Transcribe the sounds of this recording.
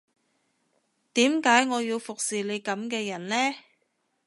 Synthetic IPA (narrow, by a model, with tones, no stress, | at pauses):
t̪iː˨˥mkaː˨˥jŋɔː˨˧jiː˧wfʊ˨k̚siː˨le˨˧jkɐ˨˥mkɛː˧jɐ˨˩nlɛː˥